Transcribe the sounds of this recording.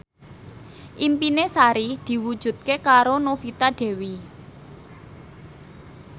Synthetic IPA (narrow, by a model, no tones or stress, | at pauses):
ʔimpinesaɾid̪̥i̤wud̥ʒ̥ṳt̪̚kekaɾonofit̪aɖ̥e̤wi